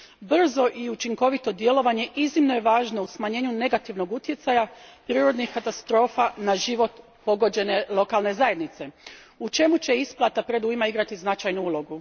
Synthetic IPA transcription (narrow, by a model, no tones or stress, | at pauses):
br̩zo̞ʔiut͡ʃiŋko̞ʋit̪o̞d̪je̞lo̞ʋaɲe̞ʔiznimno̞je̞ʋaːʒno̞usmaɲe̞ːɲune̞ɡat̪iʋno̞ɡut̪je̞t̪sajapɾiːɾo̞d̪nixkat̪ast̪ɾo̞ːfanaʒiʋo̞t̪ | po̞ɡo̞d͡ʑe̞ne̞lˠo̞kalˠne̞zaje̞d̪nit̪se̞ | ut͡ʃe̞mut͡ɕe̞isplˠat̪apɾe̞d̪uimaiɡɾat̪iznat͡ʃajnuuːlo̞ɡu